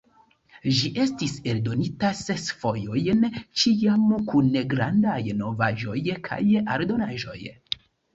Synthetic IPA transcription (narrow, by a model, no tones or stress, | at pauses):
ʒiʔe̞stiseldo̞nitasesfo̞jo̞jnt͡ʃiamkunːeɡɾandajno̞vaʒo̞jkʰa̰jaɾdo̞naʒo̞̰j